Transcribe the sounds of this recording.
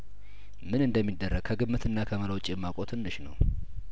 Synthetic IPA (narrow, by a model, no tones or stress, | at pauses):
mɨnɨnd̪əmːid̪ːərːəɡ̚kʰəɡɨbːɨt̪ʰɨnːakʰəmələwt͡ʃʼjɛmːakʷʼo̞t̪ʰɨnːɨʃnə̰w